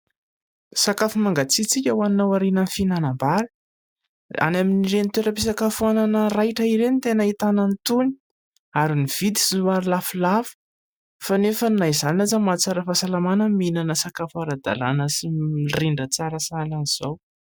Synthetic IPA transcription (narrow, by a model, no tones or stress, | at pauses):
sakafumaŋɡat͡sit͡sikʲawannːawaɾinənifinanambaɾi̥ | a̰naminiɾenit̪weɾəpisakafuananərajʈ͡ʂəiɾenit̪enəit̪anənit̪uni̥ | aɾiniv̥it̪i̥zuaɾilafulafu̥ | fanefəninaizaninazamat͡saɾəfasalamanəminanəsakafaɾad̪a̰la̰nəsiriɳɖ͡ʐət͡saɾəsalaniz̥aw